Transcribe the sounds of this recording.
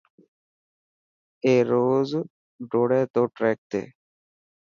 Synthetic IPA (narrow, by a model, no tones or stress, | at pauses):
eɾoːz | ɖoɽeːt̪oʈɾɛk̚t̪ḛː